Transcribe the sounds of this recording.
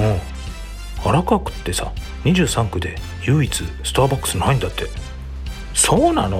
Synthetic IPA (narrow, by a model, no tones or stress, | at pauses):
õː | aɾakɯakɯ̟̥t̪ːe̞sa̰ | ɲ̟iʑɨːsãŋkɯ̟d̪e̞̰ | jɯ̟ːit͡sɨsɨ̥t̪aːbakːɯ̟̥sɨnaĩnd̪at̪ʰːe̞ | soːna̰no